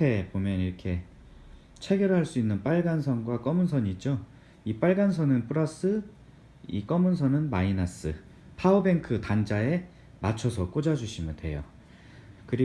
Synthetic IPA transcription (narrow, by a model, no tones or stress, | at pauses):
e̞pomjʌniɾʌkʰe̞ | t͡ɕʰe̞ɡjʌɾɦaɭs͈uinːɯnp͈aɭɡansʰʌnɡwak͈ʌmunsʰʌɲid͡ʑo | ip͈aɭɡans̬ʰʌnɯnpʰɯɾas͈ɯ | ḭk͈ʌmɯnsʰʌnɯnmainas͈ɯ | pʰaobe̞ŋkʰɯtand͡ʑae̞ | mat͡ɕʰʌsʰʌk͈od͡ʑad͡ʑuɕʰimjɯntwe̞̰jo̰ | kɯɾi